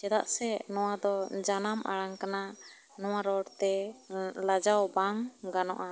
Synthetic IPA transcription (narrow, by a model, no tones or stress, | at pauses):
t͡ʃɛd̪aʔsɛnɔwad̪ɔd͡ʒanamʔa̰ɽaŋkanaʔ | nɔwaɾɔɽt̪ɛ | lad͡ʒawbaŋɡanɔ̰ʔa